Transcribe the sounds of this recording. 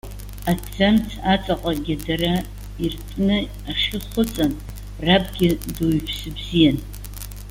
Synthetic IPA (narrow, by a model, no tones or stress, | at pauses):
ad͡zamtʰat͡sʼaqʼaɡʲɪdara | irtʼnɨ | aʂɪχʊt͡sʼan | rapʼɡʲɪdoɥpʰsɨbzijan